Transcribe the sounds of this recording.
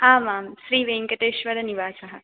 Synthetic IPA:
aːmaːmʃɾiːʋeːŋkɐʈ̪eːʃʋɐɾɐniʋaːsɐɦɐ

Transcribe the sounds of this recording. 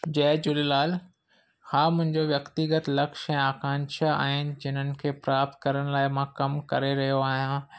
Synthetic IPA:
d͡ʑɛːd͡ʑʊlilaːl | hãːmʊ̃ɦɪ̃ɲd͡ʑoʋjɐkt̪iɡət̪lɐkʃɛ̃ːaːkãːnʃaa̰ːɦɪnɪ̆d͡ʑɪn̤ənɪ̆kʰeːpɾaːp̚t̪̚kɐɾəɽ̃̆laːɪmãkɐmkɐɾeɾɐɦijoaːɦijãː

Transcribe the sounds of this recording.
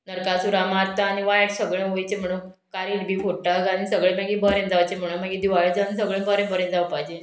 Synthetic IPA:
nəɾkasuɾamaɾt̪aːniʋajʈsəɡɭẽɦojt͡ɕem̤əɽ̃u | kaɾiːʈbʱiːfoʈaɡanisəɡɭẽmaɡibʱəɾẽd͡zaʋt͡ɕem̤əɽ̃ũnmaɡid̪iʋajɽd͡zanisəɡɭẽbəɾẽbʱəɾẽd͡zaʋpajd͡ʑe

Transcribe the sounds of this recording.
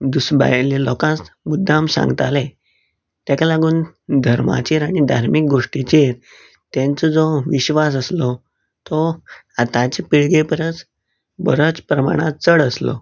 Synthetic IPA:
d̪usba̰jlelɔkãsmud̪ʱːamsã̰ŋɡət̪ale | t̪jakalaɡuːnd̪ʱəɾma̰t͡ɕeɾaɽ̃id̪ʱa̰ɾmik̚ɡoʂʈit͡ɕeɾ | t̪ɛ̃nt͡sɔd͡zɔʋiɕʋas̬əslɔ | t̪ɔ | at̪ãt͡ɕepiɭɡepəɾət͡s | bəɾət͡spɾəma̰ɽ̃at͡səɽəslɔ̰

